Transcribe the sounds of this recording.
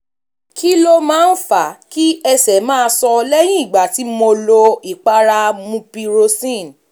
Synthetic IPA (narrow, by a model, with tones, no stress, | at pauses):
kʰi˦lo˦mãː˦n̩˦fa˨ki˦ɛ˧sɛ˨˦mãː˦˧sɔ˧lɛ˦j̃ĩ˦i˦˨ɡ͡ba˨ti˨˦mo˧lo˧i˨k͡pa˦ɾa˧mũ˧pi˧ɾo˧sĩ˦˨n˨